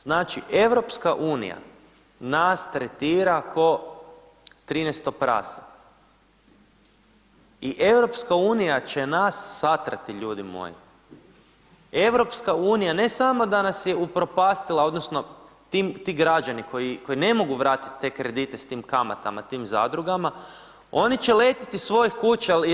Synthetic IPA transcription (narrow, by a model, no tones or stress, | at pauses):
z̥naːt͡ʃiʔe̞ʋɾo̞pskaʔuːnḭja̰ | nast̪ɾet̪iːɾakʰo̞ | t̪ɾiːnest̪o̞pɾa̰ːsḁ | iʔe̞ʋɾo̞pskauːnijat͡ɕe̞nasːat̪ɾa̰t̪iʎuːd̪imo̰ːjḭ | e̞ʋɾo̞pskauːnijane̞samo̞d̪anasje̞upɾo̞paːst̪ilˠao̞d̪no̞sno̞ | t̪iːmt̪iːɡɾad͡ʑaniko̞jiko̞ine̞mo̞ɡuʋɾaːt̪i̥t̪t̪ːe̞kɾe̞d̪it̪e̞st̪iːmkama̰t̪a̰ma̰t̪iːmza̰ːd̪ɾuɡama | o̞nit͡ɕeleːt̪i̥t̪isʋo̞jixkuːt͡ɕa